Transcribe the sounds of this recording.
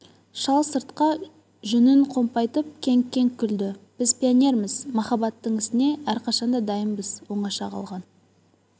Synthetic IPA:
ʃɑlˠsəɾt̪qɑ | ʒʏnɪɴqʰo̞mpɑjt̪əp̚kʲʰe̞ŋkʲːe̞ŋkʲʰʏld̪ɪb̥ɪzpʲionʲe̞ɾmɪzmɑχɑbɑt̪ːəɴɪst̪ɪne̞æɾqɑʃɑnd̪ɑd̪ɑjəmbəz̥wo̞ɴɑʃɑqʰɑ̰lˠʁɑn

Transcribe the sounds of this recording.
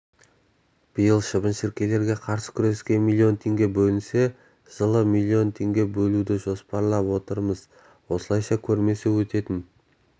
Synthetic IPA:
b̥əjəlˠʃəbənʃɪɾkʲe̞le̞ɾɡʲe̞qʰɑɾsə̥kʲʰʏɾe̞skʲe̞nmilʲˠːio̞nt̪ʰe̞ŋɡʲe̞bɵlɪnse̞ | ʒ̥əlˠəmilʲˠːio̞nt̪ʰe̞ŋɡʲe̞bɵlud̪ɪʒo̞spɑɾlˠɑpwo̞t̪əɾməz | wo̞səlˠɑjʃɑkʲʰɵɾme̞sewɵt̪e̞t̪ɪn

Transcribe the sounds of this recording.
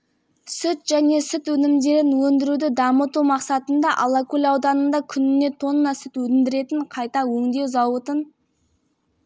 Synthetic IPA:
sʏt̪ʒ̥æne̞sʏt̪wɵnɪmd̪e̞ɾɪnwɵnd̪ɪɾud̪ɪd̪ɑmət̪umɑqsɑt̪ənd̪ɑʔɑlˠɑkulʲɑwd̪ɑnənd̪ɑkʲʰʏnɪne̞t̪ʰo̞nːɑsɪt̪wɵt̪ɪnd̪ɪɾe̞t̪ɪɴqʰɑjt̪ɑwɵŋd̪e̞wzɑwət̪ən

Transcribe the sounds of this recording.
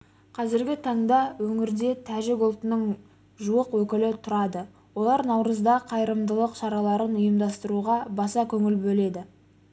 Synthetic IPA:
qʰɑzɪɾɡʲɪt̪ʰɑɴd̪ɑwɵŋɪɾd̪e̞t̪ʰæʒɪɡʊlˠt̪ənəɴ | ʒuwəqwɵkʲɪlɪt̪ʰʊɾɑd̪ə | wo̞lˠɑɾnɑwɾəzd̪ɑqʰɑjɾəmd̪əlˠəqʃɑɾɑlˠɑɾənʊjəmd̪ɑst̪əɾuʁɑbɑsɑkʲʰɵŋɪlbɵle̞d̪ɪ

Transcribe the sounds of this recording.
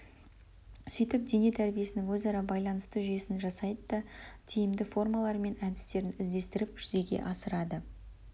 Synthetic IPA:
sʏjt̪ɪp̚d̪e̞ne̞t̪ʰæɾbije̞sɪnɪŋwɵzɑɾɑbɑjlˠɑnəst̪əʒʏje̞sɪnʒɑsɑjd̪əd̪ɑt̪ʰijɪmd̪ɪfo̞rmɑlˠɑɾme̞nænt̪ɪ̥st̪e̞ɾɪnɪzd̪e̞st̪ɪɾɪpʒʏze̞ɡʲe̞̰ʔɑsəɾɑd̪ə

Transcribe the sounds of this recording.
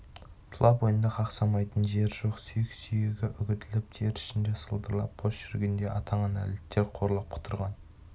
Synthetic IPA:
t̪ʰʊlˠɑpwo̞jənd̪ɑqʰɑqsɑmɑjt̪ənʒe̞ɾʒo̞qsyjɪksyjeɡʲɪʔʏɡʲɪt̪ɪlɪpʒʰe̞ɾɪ̥ʃɪnd̪e̞səlˠd̪əɾlˠɑ̰pbʰosʃʏɾɪɡʲɪnd̪e̞ʔɑt̪ʰɑɴɑnæ̰let̪ːeɾqʰoɾlˠɑp̚qʰʊ̥t̪ʰəɾʁɑn

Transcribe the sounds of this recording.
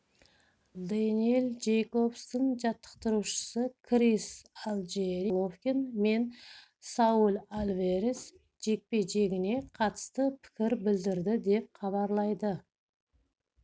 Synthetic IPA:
d̪anielˠd͡ʒejko̞fst̪ənʒɑt̪ːə̥qt̪əɾuʃə̥səkʰɾisalˠd͡ʒeɾilˠofkʲenme̞n | sɑulˠalʲveɾes | ʒ̥e̞k̚pe̞jʒe̞ɡʲɪne̞qʰɑt̪ə̥st̪əpʰɪ̥kʲɪɾbɪld̪ɪɾd̪ɪd̪e̞p̚χɑβɑɾlˠɑjd̪ə

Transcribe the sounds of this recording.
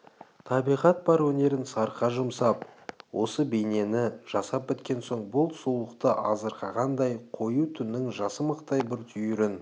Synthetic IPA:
t̪ʰɑbijʁɑt̪̚bɑɾwɵne̞ɾɪnsɑɾqɑʒʊmsɑp̚wʔo̞səbejne̞nɪʒ̥ɑsɑp̚bɪt̪kʲe̞nso̞ɴbʊlˠsulˠəqt̪əʔɑzəɾqʰɑʁɑnd̪ɑjqʰo̞jut̪ʰʏnːɪŋʒɑsəməqt̪ɑjbɪɾt̪ʰʏjʏɾɪn

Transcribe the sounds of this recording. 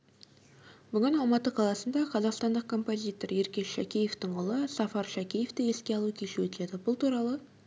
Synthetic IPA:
b̥ʏɡʲɪnɑlˠmɑt̪əqʰɑlˠɑsənd̪ɑqʰɑzɑqst̪ɑnd̪əq̚kʰo̞mpo̞zʲijt̪o̞ɾe̞ɾkʲe̞sʃækʲijeft̪ɪɴʊlˠəsɑfɑɾʃækʲijeft̪ɪe̞skʲe̞ɑlˠukʲʰe̞ʃɪwɵt̪ɪle̞d̪ɪbʊlˠt̪ʰuɾɑlˠə

